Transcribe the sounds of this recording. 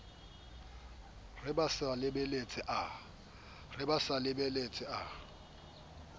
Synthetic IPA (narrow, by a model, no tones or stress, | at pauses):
rɪbasalɪbelet͡sʼɪʔa | rɪbasalɪbelet͡sʼɪa